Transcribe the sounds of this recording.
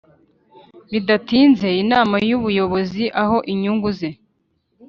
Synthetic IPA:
βidatiːnze̞inaːmajuβujo̞βo̞ziʔaɦo̞ʔiɲuŋɡuze̞

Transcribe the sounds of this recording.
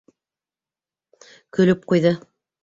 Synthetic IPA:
kɵ̆lɵp̚qujðɤ

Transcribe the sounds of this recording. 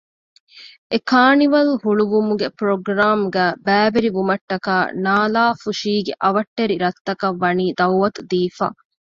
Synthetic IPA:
ʔekaːniʋɐlɦuɭuʋumuɡepɾoɡɾaːmɡæːbæːʋeɾiʋumɐʈːɐkaːnaːlaːfuʃiːɡeʔɐʋɐʈːeɾiɾɐt̪ːɐkɐʋːɐniːd̪ɐwʋɐt̪ud̪iːfa̰ː

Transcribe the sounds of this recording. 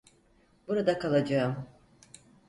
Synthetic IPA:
buɾad̪akʰalˠad͡ʒaɯm

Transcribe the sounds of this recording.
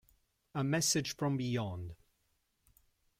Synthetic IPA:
əmɛsɪd̥ʒ̥fɹə̃mbɪjɒ̃nd̥

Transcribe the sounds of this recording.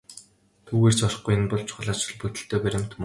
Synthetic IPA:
t̪ʰuːɣeːr̥t͡ɕɔr̆χɡujɪnpɔɮt͡ɕʰʊ̥ɮaːt͡ɕɵ̆ɮput̪ɘ̆ɬt̪eːpæɾʲɪ̆m̥t̪ʰm

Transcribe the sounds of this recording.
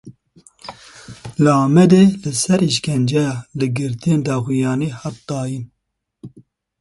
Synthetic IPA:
lɑːmɛd̪elɨsɛɾiʃkʰɛnd͡ʒɛjɑːlɨɡɨɾt̪ʰijeːnd̪ɑːxijɑːniːhɑt̪̚ːɑːjin

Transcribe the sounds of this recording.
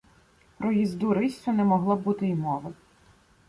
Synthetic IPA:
pɾɔjizd̪uɾɪsʲɔnɛmɔɦlˠɔbut̪ɪimɔʋɪ

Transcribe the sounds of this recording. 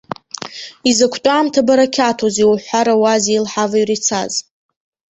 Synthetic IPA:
izakʷʰtʷʼaːmtʰabaɾakʲʰatʰoziwħʷaɾawazilħavajrit͡sʰa̰z

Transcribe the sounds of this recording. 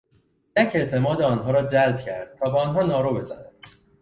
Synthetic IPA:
jæcʰe̞ʔt̪ʰe̞mɒːd̪eɒːnɦɒːɾɒːd͡ʒælb̚cʰæɾd̪̥̚t̪ʰɒːbɒːnɦɒːnɒːɾobe̞zænæd̪̥

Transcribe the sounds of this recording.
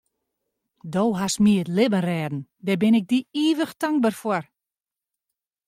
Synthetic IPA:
dowɦasmiətlɪbənrɛːdn̩dɛbɪnɪk̚diiːʋəxtaŋk̚bərfɔr

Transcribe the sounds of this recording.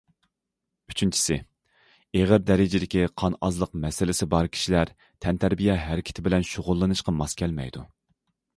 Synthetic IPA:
y̥t͡ʃʰynt͡ʃʰi̥sɪ | eʁəɾd̪ɛɾɪd͡ʒɪd̪ɪkʲiqʰɑnɑzlˠəqmɛsɪlɪsɪbɑɾkʲʰi̥ʃilæɾ | t̪ʰɛnt̪ʰæɾbijɛɦæɾɪkʲʰɪ̥t̪ʰɪbɪlɛnʃoʁʊlˠːɨnɨʃqɑmɑskʲʰɛlmɛ̰jd̪u

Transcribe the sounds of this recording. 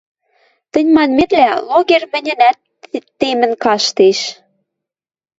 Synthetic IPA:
t̪ə̆nʲmɑnmet̪læloɣermɘ̆nʲɘ̆næt̪ | t̪ːemə̆nkɑʃt̪eʃ

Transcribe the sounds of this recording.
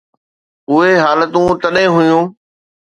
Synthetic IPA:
ʊɦeɦaːlət̪ũt̪ɐɗɦẽɦʊjũː

